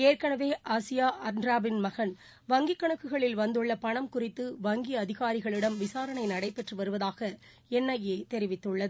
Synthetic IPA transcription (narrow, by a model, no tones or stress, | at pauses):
eːrkɐɳɐʋeːʔaːsɪjaːʔɐɾnɾaːbɪnmɐɣɐn | ʋɐŋɡikːɐɳɐkːɯɣɐɭɪlʋɐnd̪ɯɭːɐpɐɳɐmkʊrɪt̪ːɯʋɐŋɡiɐðɪɣaːɾɪɣɐɭɪɽɐmʋɪsaːɾɐɳɐɪnɐɽɐɪpːɛʈrɯʋɐɾɯʋɐðaːɣɐ | ɛnːɐjeːt̪ɛɾɪʋɪt̪ːɯɭːɐðɯ